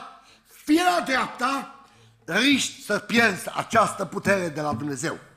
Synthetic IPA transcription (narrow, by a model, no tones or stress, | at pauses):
fielad̪ɾeap̚t̪a | riʃt̪ʲsəpje̞rza̰t͡ʃast̪əput̪e̞ɾed̪e̞lad̪umne̞ze̞̰w